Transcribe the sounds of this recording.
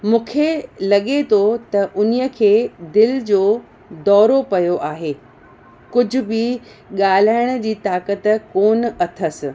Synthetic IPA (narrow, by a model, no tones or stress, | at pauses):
mũːkʰelɐɠet̪ʰot̪ɐʔʊnijəkʰeːd̪ɪld͡ʑoː | d̪ɔːɾopɐjoʔaːɦeː | kʊd͡ʑʱʊ̆bɪ | ɠaːl̤aːɪɽ̃ə̆d͡ʑiːt̪aːkət̪koːnɐt̪ʰəsɪ̆